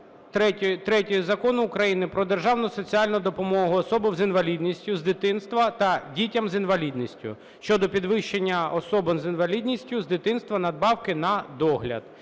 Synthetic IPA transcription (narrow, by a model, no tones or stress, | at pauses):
t̪ɛt̪ɾɛtʲijzɐkɔnʊːkɾɐjinɪpɾɔd̪erʒɑwnʊsɔt͡sʲiɑlʲnʊd̪ɔpɔmɔɦʊɔsɔbɪwzɪnʋɐlʲid̪ʲnʲisʲtʲʊzd̪ɪt̪ɪnst̪ʋɐt̪ɐdʲitʲɐmzɪnʋɐlʲid̪nʲisʲtʲʊ̰ | ʃt͡ʃɔd̪ɔpʲid̪ʋɪʃt͡ʃenʲːɐɔsɔbɐmzɪnʋɐlʲid̪ʲnʲisʲtʲʊzd̪ɪt̪ɪnst̪ʋɐnɐd̪̚bɑwkɪnɐd̪ɔɦlʲɐ̰d̪̥